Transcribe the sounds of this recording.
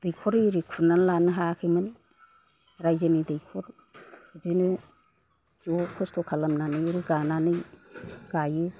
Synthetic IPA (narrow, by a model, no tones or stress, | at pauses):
d̥ɯjkʰɔɾiɾikʰunanlanɯɦakʰɯmɯn | ɾajzɯnidɯjkʰɔɾ | zinɯ | zɔkʰɔstʰɔkʰalamnanɯjɾiɡananɯjzajɯ